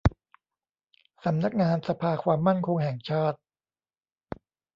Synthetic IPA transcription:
sa˩˦mna˦˥k̚ŋaː˧nsa˧pʰaː˧kʰwaː˧mːa˥˩nkʰo˧ŋɦɛː˨˩ŋt͡ɕʰaː˥˩t̪̚

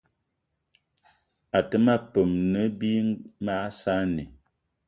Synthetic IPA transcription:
a˨tə˦ma˦po˨mnə˨˦bi˦ma˦sa˦nḭ˨

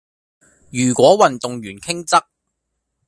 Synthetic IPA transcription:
jyː˨˩kʷɔː˨˥wɐ˨nt̪ʊ˨ŋjyː˨˩nkʰɪ˥ŋt͡sɐ˥k̚

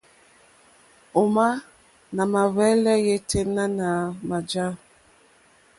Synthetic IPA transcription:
o˨ma˦ | na˨ma˨vɛ˦lɛ˦je˦tʰe˦mna˦na˨ma˨d͡ʒa˦

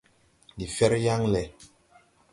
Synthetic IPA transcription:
li˨fɛ˦ɾja˦ŋlɛ˨

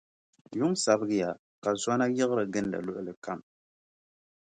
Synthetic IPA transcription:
jʊ˦ŋsa˨bɨ˦ɡɪ˦ja˨ | ka˨za˦na˦jɪ˦ɣɨ˦ɾɨ˨ɡɨ˦nda̰˨lʊ˦ʔʊ˦lɨ˨ka˦m

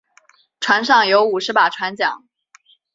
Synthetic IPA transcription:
ʈ͡ʂʰwa˧˥nʂɑ˥˩ŋjo˧˥ʊu˨˩ʂɻ̩˧˥pa˨˩ʈ͡ʂʰwa˧˥nt͡ɕjɑ̰˨˩˦ŋ

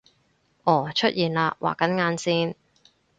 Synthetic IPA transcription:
ʔɔː˨˩t͡ʃʰɵ˥t̚jiː˨˩nlaː˧wʔa̰ː˨kɐ˨˥nŋaː˨˥nsiː˥n

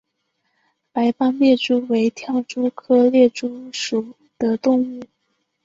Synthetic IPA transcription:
pa˧˥ɪpɑ˥ŋmjɛ˥˩ʈ͡ʂu˥we˧˥ɪt̪ʰjɑ˥˩ʊʈ͡ʂu˥kʰɤ˥ljɛ˥˩ʈ͡ʂu˥ʂu˨˩ | d̪̥ə˦t̪ʊ˥˧ŋu˥˩

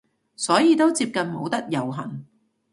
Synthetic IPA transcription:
sɔː˨˥jiː˧t̪o˥wt͡siː˧p̚kɐ˨nmo˨˧wt̪ɐ˥k̚jɐ˨wɦɐ˨˩ŋ

